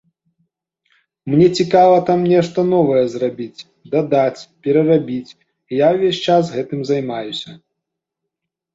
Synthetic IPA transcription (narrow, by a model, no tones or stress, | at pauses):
mnʲɛt͡sʲikavɐt̪amnʲɛʂt̪ɐnɔvɐjɛzrabʲit͡sʲ | d̪ad̪at͡sʲpʲɛɾɐrabʲit͡sʲ | ijawvʲesʲt͡ʂasɣɛt̪ɨmzajmajusʲɐ